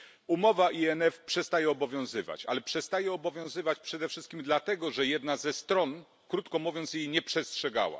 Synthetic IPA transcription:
umɔvaʔiɛnɛfpʂɛst̪ajɛɔbɔvʲjɔ̃w̃zɘva̰t͡ɕa̰lɛpʂɛst̪ajɛɔbɔvʲjɔ̃w̃zɘvat͡ɕpʂɛd̪ɛfʂɘst̪kʲimd̪lat̪ɛɡɔʐɛjɛd̪nazɛst̪ɾɔn | kɾut̪kɔmuvʲjɔnt̪sjejɲɛpʂɛstʂɛɡa̰wa̰

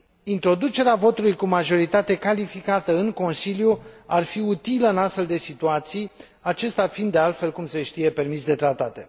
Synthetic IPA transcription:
int̪ɾo̞d̪ut͡ʃe̞ɾeavo̞t̪ulujkumaʒo̞ɾit̪at̪e̞kalifikat̪əɨŋko̞nsiljuarfiut̪iləɨnast̪fe̞ld̪e̞sit̪uat̪sij | at͡ʃe̞st̪eafind̪ːealt̪fe̞lkumse̞ʃt̪ije̞pe̞rmisd̪e̞t̪ɾat̪at̪e̞

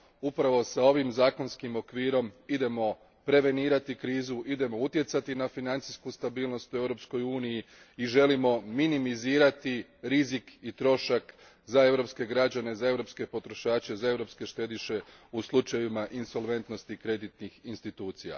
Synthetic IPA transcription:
upɾaʋo̞sao̞ʋimzaːko̞nskimo̞kʋiːɾo̞mid̪e̞mo̞ | pɾe̞ʋe̞niːɾat̪ikɾiːzuʔid̪e̞mo̞ut̪je̞t̪sat̪inafinant̪siskust̪abiːlˠno̞st̪ue̞ʋɾo̞psko̞juːniji | iʒe̞limo̞minimiziːɾat̪iɾizikit̪ɾo̞ʃak | zae̞ʋɾo̞pske̞ɡɾad͡ʑane̞zae̞vɾo̞pske̞po̞t̪ɾo̞ʃaːt͡ɕe̞zae̞ʋɾo̞pske̞ʃt̪e̞d̪iʃe̞uslˠut͡ʃajimaʔinso̞lʋe̞nt̪no̞st̪ikɾe̞d̪it̪nixinst̪it̪uːt̪sija̰

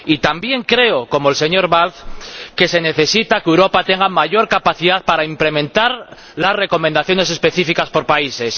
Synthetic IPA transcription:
it̪ambje̞ŋkɾe̞oko̞mo̞else̞ɲo̞ɾβalθke̞se̞ne̞θe̞sit̪akewɾo̞pat̪e̞ŋɡamaʝo̞ɾkapaθiðaðpaɾaimple̞mẽnt̪aɾ | lasre̞ko̞mẽnd̪aθjo̞ne̞se̞spe̞θifikaspo̞ɾpaise̞s

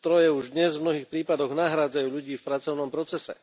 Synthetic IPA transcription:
t̪ɾɔjɛuʒd̪ɲɛzvmnɔɦiːxpɾiːpad̪ɔɣnaɦɾaːd͡zajuːʎuɟiːfpɾat͡sɔʊnɔmpɾɔt͡sɛsɛ̰

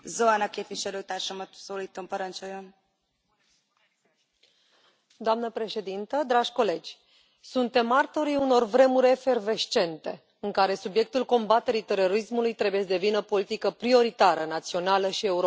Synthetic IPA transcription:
zoanɒkeːpviʃɛløːt̪aːrʃamɔt̪soːliːt̪ompɔɾɔnt͡ʃojom | d̪oamnəpɾe̞ʃe̞d̪int̪əd̪ɾaʒʲko̞le̞d͡ʒʲ | sunt̪e̞mart̪o̞ɾiuno̞rvɾe̞muɾʲefe̞rve̞ʃt͡ʃe̞nt̪e̞ | ɨŋkaɾe̞subje̞k̚t̪ulko̞mbat̪e̞ɾit̪e̞ro̞ɾismulujt̪ɾe̞buje̞sd̪e̞vinəopo̞lit̪ikəpɾio̞ɾit̪aɾənat̪sio̞naləʃie̞uɾo

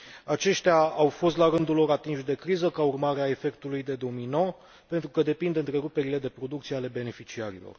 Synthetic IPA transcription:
at͡ʃe̞ʃt̪eaawfo̞st̪laɾɨnd̪ulo̞ɾat̪inʃd̪e̞kɾizəkaurmaɾeae̞fe̞kt̪ulujd̪e̞d̪o̞omijno̞ | pe̞nt̪ɾukəd̪e̞pind̪ɨnt̪ɾe̞ɾupe̞ɾile̞d̪e̞pɾo̞d̪ukt̪sieale̞be̞ne̞fit͡ʃiaɾḭlo̞̰r

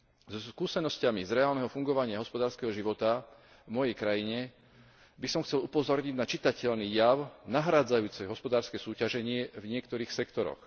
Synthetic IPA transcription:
zɔskuːsɛnɔscamizɾɛaːlnɛɦɔfuŋɡɔʋaɲɪaɦɔspɔd̪aːɾskɛɦɔʒiʋɔt̪a | vmɔjɛjkɾajiɲɛ | bisɔmxt͡sɛlupɔzɔɾɲiɟnat͡ʃit̪acɛʎnijaʊnaɦɾaːd͡zajuːt͡sɛɦɔspɔd̪aːɾskɛsuːcaʒɛɲɪɛvɲɪɛkt̪ɔɾiːxsɛkt̪ɔɾɔ̰x

